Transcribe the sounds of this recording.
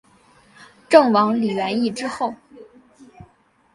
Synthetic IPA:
ʈ͡ʂɤ˥˩ŋwɑ˧˥ŋli˨˩ɥɛ˧˥ni˥˩ʈ͡ʂɻ̩˥xo˥˩ʊ

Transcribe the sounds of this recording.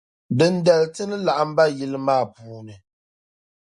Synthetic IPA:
bɨ˨n̩˦dɛ˨ltɨ˦nɨ˦la˨ʔa˨m̩˦ba˦ji˦lɨ˦maː˦˨puː˦nɨ˨

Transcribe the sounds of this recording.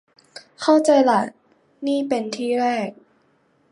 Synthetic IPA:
kʰa˥˩wt͡ɕa˧jla˨˩t̪̚ | niː˥˩pe˧nt̪ʰiː˥˩ɾɛː˥˩k̚

